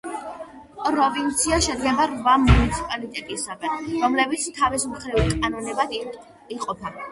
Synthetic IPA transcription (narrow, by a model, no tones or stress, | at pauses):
pʼɾɔvint̪sʰiaʃɛd̪ɡɛbaɾvamunit̪sʰi̥pʼalit̪ʼɛt̪ʼisaɡɛnɾɔmlɛbit̪sʰt̪ʰavɛsmχɾivkʼanɔnɛbad̪ | iqʼɔpʰa